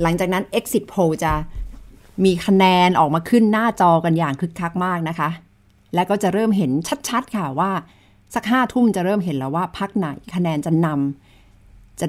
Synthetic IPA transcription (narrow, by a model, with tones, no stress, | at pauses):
la˩˦ŋt͡ɕaː˨˩k̚na˦˥nʔe˦˥k̚si˨˩t̪̚pʰoː˧t͡ɕa˨˩ | miː˧kʰa˧nɛː˧nʔɔː˨˩k̚maː˧kʰɯ˥˩nːaː˥˩t͡ɕɔː˧ka˧njaː˨˩ŋkʰɯ˦˥kʰːa˦˥k̚maː˥˩k̚na˦˥kʰa˦˥ | lɛ˦˥wkɔː˥˩t͡ɕa˨˩ʔɾɤː˥˩mɦe˩˦nt͡ɕʰa˦˥t̪̚t͡ɕʰa˦˥t̪̚kʰa˥˩waː˥˩ | sa˦k̚ɦaː˥˩t̪ʰu˥˩mt͡ɕa˨˩ɾɤː˥˩mɦe˩˦nlɛː˧˥˩waː˥˩pʰa˦˥k̚na˨˩˦jkʰa˧nɛː˧nt͡ɕa˨˩na˧m | t͡ɕa˨˩